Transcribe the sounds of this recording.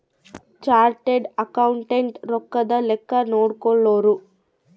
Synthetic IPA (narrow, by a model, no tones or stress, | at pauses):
t͡ʃaːɾʈeɖɐkɐwuɳʈeɳʈɾɔkːɐd̪ɐlɛkːɐnoːɽukoɭːoːɾu